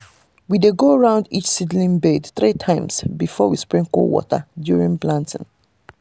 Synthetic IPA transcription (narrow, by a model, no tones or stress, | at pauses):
wideɡoəɹãʊ̃ndit͡ʃsidlĩnbɛdθɹitʰãɪ̃msbifɔwispɹɛ̃ŋko̰lwɔ̰tə̰djuɹĩnplãntɪ̰̃n